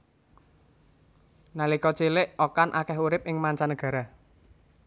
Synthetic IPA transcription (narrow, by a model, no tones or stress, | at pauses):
nalikɔt͡ʃilɪʔokanʔakɛɦuɾɪp̚ʔɪŋmaɲt͡ʃanəɡ̥ä̤ɾa